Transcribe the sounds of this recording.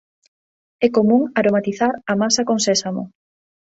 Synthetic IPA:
ɛkomũŋaɾomat̪iθaɾamasakoŋsɛsamo̰

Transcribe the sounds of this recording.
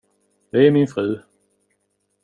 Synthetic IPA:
d̪̥ɛæɾmɪnfʁʉ̟ː

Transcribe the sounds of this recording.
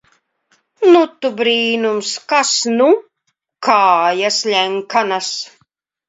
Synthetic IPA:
nut̪ːubɾiːnumskasnu | kʰaːjaslʲɛŋkʰanas

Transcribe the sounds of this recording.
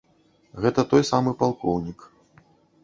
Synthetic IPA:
ɣɛt̪ɐt̪ɔjsamɨpalˠkɔwnʲik

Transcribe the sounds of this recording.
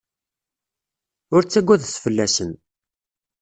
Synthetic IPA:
ʊɾt͡sːæɡʷːæðsfəlːæsən

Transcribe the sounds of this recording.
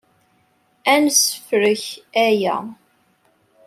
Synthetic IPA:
ænsə̥fɾəçæjæ̰

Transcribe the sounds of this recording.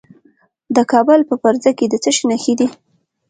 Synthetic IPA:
d̪əkɑbʊlpəpaɾzaked̪ət͡səʃinaxid̪i

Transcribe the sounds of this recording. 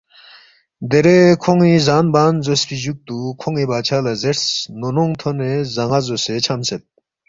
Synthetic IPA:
d̪eɾekʰoŋizanbanzospʰiʑuk̚t̪ukʰoŋibat͡ɕʰalazeɾsnonoŋt̪ʰonezaŋazoset͡ɕʰamset̪̚

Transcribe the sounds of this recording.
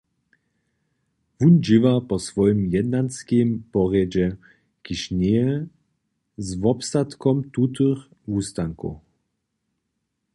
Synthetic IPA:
vund͡ʒɪvapɔsvɔjimjɛd̪nanskempɔʁjɛd͡ʑɛ | kiʃnɛɛ | zvɔpst̪at̪kɔmt̪ut̪̬ɨx | uːst̪aŋkṵ

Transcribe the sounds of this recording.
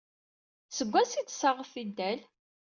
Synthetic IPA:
səɡʷːæsit̪ːsəʁəfid̪ːæl

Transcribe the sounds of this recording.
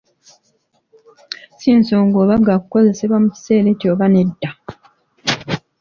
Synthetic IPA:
siːnsoːŋɡoːβaɡakuko̞ze̞seβwamuci̥se̞ːɾe̞ːtjoːβane̞dːa

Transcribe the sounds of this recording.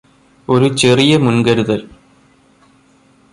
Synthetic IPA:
o̞ɾut͡ɕerijɐmunɡɐɾuðɐl

